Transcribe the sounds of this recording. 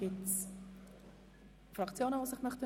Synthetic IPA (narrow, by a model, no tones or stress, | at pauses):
ɡ̥ɪts | fɾɑkt͡sjoːnəvoːsɪχmœχtə